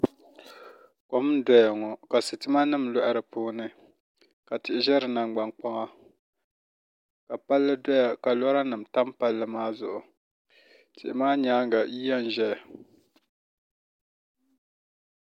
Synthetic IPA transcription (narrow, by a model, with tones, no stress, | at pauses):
kɔ˨m˦dɔ˨ja˨ŋɔ˨ka˨sɨ˨tɨ˦ma˦nɨ˦˨mlɔ˦ʔa˨ɾɨ˨puː˦nɨ˨ | ka˨tɪ˨ʔɪ˨ʒɛ˦ɾɨ˨na˨ŋɡ͡ba˨ŋk͡pa˦ŋa˦ | ka˨pa˦lːɨ˦dɔ˦ja˨ka˨lɔ˦ɾa˦nɨ˨m˨ta˦mpa˦lːɨ˦maː˦zʊ˦˨ʔʊ˨ | tɪ̰˨ʔɪ˨maː˦ɲaː˨˦ŋ˦ɡa˨ji˦ja˦n˨ʒɛ˦a˨